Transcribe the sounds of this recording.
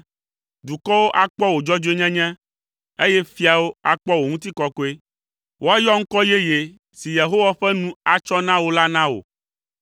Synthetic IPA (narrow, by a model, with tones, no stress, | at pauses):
d̪u˨kɔ˦wo˦ʔa˦k͡pɔ˦wo˨d͡ʒɔ˦d͡ʒo˦e˦ɲɛ̃˦ɲɛ̃˦ | e˦jɛ˦fi˦a˨wo˦a˨k͡pɔ˦wo˨ŋũ˦t̪̬i˦kɔ˦kɔ˦e˦ | wʔo˦a˦jɔ˦ŋ̩˦kɔ˦je˦je˨ | si˨je˨ɦo˦wa˦ɸɛ˦nũ˦a˨t͡ʃɔ˦nã˦wo˨la˦nã˦wo̰˨